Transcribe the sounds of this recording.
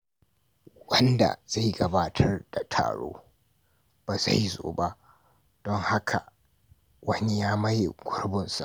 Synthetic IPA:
wɐ˦nda̰˨z̥a˦˨jɡɐ˨baː˦tʰɐ˦rd̥a˨tʰa̰ː˨ɽo̰ː˦ | b̥aː˨za̰˦˨jzo̰ː˨ba˦ʔ | d̥ɔ˦ŋha˦kʰa˨ | wɐ˦ni˦jaː˦mɐ˦jḛ˨ɡʷʊ˦rbɪ˨nsa̰˨ʔ

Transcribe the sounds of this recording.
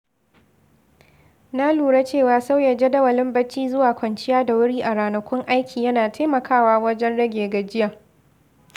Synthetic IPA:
na˦luː˨ɽa˦t͡ʃeː˦˨waː˨sa˦wjɐ˨d͡ʒe˦dɐ˦wɐ˨lɪ˦mbɐ˦t͡ʃːiː˦zʊ˦waː˨kʷɐ˨nt͡ʃɪ˦jaː˦da˨wʊ˦ɽiː˦ʔa˨ɽaː˨nɐ˨kʷʊ˦ŋʔa˦jkʲʰiː˨jɐ˦naː˨tʰa˦jmɐ˨kʰaː˦waː˦wɐ˦d͡ʒɛ˦nɽɐ˦ɡʲeː˨ɡɐ˨d͡ʒɪ˦ja˨

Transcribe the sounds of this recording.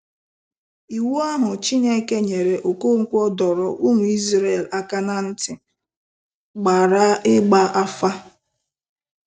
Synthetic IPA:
i˨wu˦a˦ɦʊ˨t͡ʃi˦ɲe˦ke˦ɲe˨ɾe˨ʔo˨ko˦˨ŋ̩˦kʷɔ˦dɔ˨ɾɔ˨ʔu˦ŋʷu˨i˦zɾe˦e˨la˦ka˦na˦n̩˦tɪ˨ | ɡ͡ba˨ɾa˦ɪ˦ɡ͡ba˦ʔa˦fa˦

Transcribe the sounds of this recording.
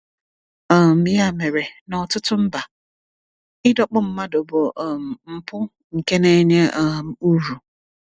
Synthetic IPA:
ɔ˨m̩˨i˨˦a˦˨me˨ɾe˨nɔ˨tʊ˦tʊ˦m̩˦ba˨ | ɪ˦dɔ˦k͡pʊ˦m̩˦ma˦do˨bo˨ʔm˨m̩˦pʊ˦ | ŋ̩˨ke˦ne˦ɲe˦m˨u˦ɾu˨

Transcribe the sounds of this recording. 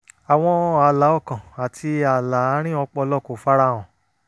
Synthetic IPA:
a˨w̃ɔ̃˧a˨la˨˦ɔ˦˨kã˨a˨tʰi˧a˨la˨˦a˨˦ɾ̃ĩ˦ɔ˧k͡pɔ˧lɔ˦˨ko˨fa˦ɾa˦w̃ɔ̃˨

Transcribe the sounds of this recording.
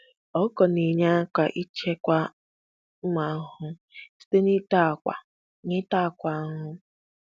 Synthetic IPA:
ɔ˦kɔ˨ni˨ɲa˦ka˨ʔi˦t͡ʃe˦kʷa˦ | m̩˦ma˨˦ɦʊ˦ | si̥˦te˦ni˦ta˦˨kʷa̰˨ | ɲɪ˦ta˦˨kʷa˨˦ɦʊ˦

